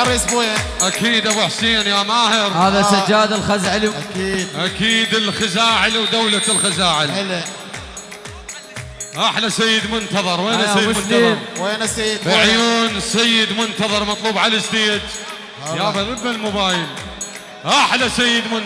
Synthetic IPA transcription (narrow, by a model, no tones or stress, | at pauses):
ɑɾˤisbujaʔakiːd̪ʔabħsiːnjaːmaːhɪɾhaːðasad͡ʒaːd̪ɪlxazʕliʔakiːd̪ʔakiːd̪ɪlxɪzaːʕɪlwd̪awlalxɪzaːʕɪlɪlːa | ʔaħlasajːɪd̪mʊnt̪ɑðˤɑɾˤweːnaajːmt̪iːɾweːnasajːɪd̪ʕjuːnsajːɪd̪mʊnt̪ɑðˤɑɾˤmɑt̪ˤluːbʕalasd̪iːd̪ | jabaɣɪbːalmʊbaːjɪl | ʔaħlasajːɪd̪mʊn